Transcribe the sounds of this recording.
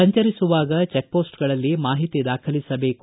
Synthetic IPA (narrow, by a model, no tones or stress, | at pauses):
ɐɲt͡ʃɐɾisuʋaːɡɐt͡ʃek̚poːsʈɡɐɭɐlːimaːɦit̪id̪aːkʰɐlisɐbe̞ːk